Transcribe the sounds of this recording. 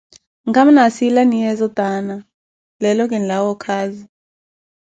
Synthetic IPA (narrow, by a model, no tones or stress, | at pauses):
ŋɡam̩nasilanijɛzɔtana | lɛlɔk̬ʼɛnlawɔkʰaːzi